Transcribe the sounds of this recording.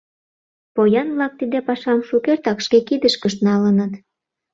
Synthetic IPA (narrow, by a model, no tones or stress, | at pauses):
pojɑnβlɑk̚t̪id̪epɑʃɑmʃukert̪ɑkʃkekid̪əʃkəʃt̪nɑlənət̪